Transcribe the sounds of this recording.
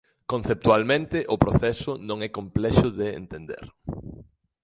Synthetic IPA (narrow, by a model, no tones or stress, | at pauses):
kõn̟θep̚t̪ualmẽnt̪ɪʔʊpɾoθɛsʊnõŋɛkõmplɛʃʊðeḛnt̪end̪ḛɾ